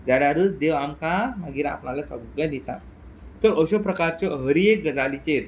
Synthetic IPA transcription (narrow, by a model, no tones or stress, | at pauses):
d͡zaljaɾut͡sd̪eʋamkamaɡiːɾa̰pnalasəɡɡãd̪it̪a̰ | t̪əɾəɕɔpɾəkaɾt͡ɕjɔɦəɾiek̚ɡəd͡zalit͡ɕeɾ